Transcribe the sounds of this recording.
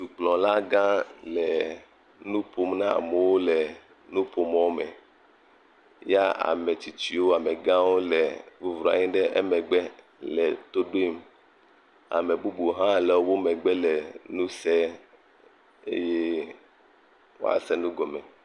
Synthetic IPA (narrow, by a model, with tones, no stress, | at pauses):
tu˨k͡plɔ̃˨la˦ɡã˦lɛ˨ | nũ˦po˦mnã˦a̰˨me˨wo˦lɛ˨ | nũ˦po˨m˨wo˦mɛ̰˨ | ja˦a̰˨mɛ˨t͡ɕi˨t͡ʃi˦wo˦a˨mɛ˨ɡã˦wo˦lɛ˨vu˦vɾɔ˨a̰˨ɲĩ˦ɖɛ˦ʔɛ̰˦mɛ˨ɡ͡bɛ˦ | lɛ˨t̪o˦ɖo˦i˦m | a̰˨mɛ˨bu˦bu˨ɦã˦lɛ˨wo˦wo˦mɛ˨ɡ͡bɛ˦lɛ˨nũ˦sɛ˦ | ḛ˦je˦ | wo̰˦a̰˨sɛ˦nũ˦ɡɔ˨mɛ˨